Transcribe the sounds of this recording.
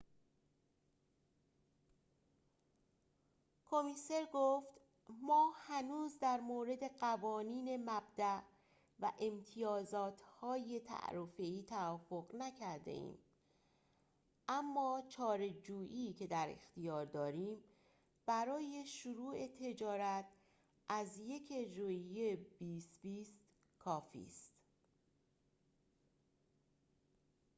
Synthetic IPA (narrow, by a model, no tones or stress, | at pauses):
kʰomiːse̞ɾɡoft̪ | mɒːhænuːzd̪æɾmoːɾe̞d̪e̞ɢævɒːniːne̞mæbd̪æʔ | væʔe̞mt̪ʰijɒːzɒːt̪ʰhɒːje̞t̪ʰæ̰ʔɾofe̞iːt̪ʰæɒːfoɣnæcʰæɾd̪e̞̰ʔḭːm | ʔæmːɒːt͡ʃʰɒːɾe̞d͡ʒuːʔiːcʰe̞d̪æɾe̞̰xt̪ijɒːɾd̪ɒːɾiːm | b̥æɾɒːje̞ʃuɾuːe̞t̪ʰe̞d͡ʒɒːɾæt̪ʰ | ʔæzje̞cʰed͡ʒɾoijeb̥iːst̪biːst̪ | kʰɒːfḭːst̪